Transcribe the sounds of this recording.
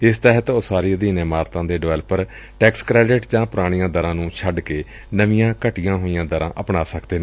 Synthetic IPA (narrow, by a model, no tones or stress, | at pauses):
ɪst̪ɛɦət̪oːsaːɾid̪iːnẽːmaːɾt̪ãːd̪eːɖɪʋɛːləpəɾ | ʈɛːkskɾɛːɖɪʈd͡ʒãːpʊɾaːɽ̃ijãːd̪əɾãːnũːt͡ʃʰəɖkeː | nəʋijãːkəʈijãːɦoːijãːd̪əɾã̰ːʔəpɳaːsəkd̪eːnẽ